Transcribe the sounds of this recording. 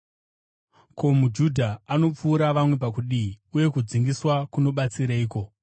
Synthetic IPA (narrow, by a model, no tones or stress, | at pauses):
ko̞mud͡ʒudʱaano̞p͡fuːɾaʋamwepakuɗiiuje̞kud͡ziŋɡiswakuno̞ɓat͡siɾaiːko̞